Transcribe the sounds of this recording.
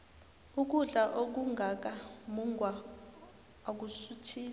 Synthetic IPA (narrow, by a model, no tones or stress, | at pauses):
uk̬uɮaʔok̬uŋʱak̬amuŋɡʱwa | k̬usutʰiː